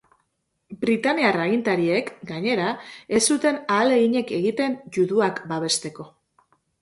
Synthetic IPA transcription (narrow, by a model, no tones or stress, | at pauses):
bɾit̪aniaraɣint̪aɾie̞kɡaɲe̞ɾae̞sut̪e̞naːle̞iɲe̞ke̞ɣit̪e̞nʝuðuakbaβ̞e̞st̪e̞ko̞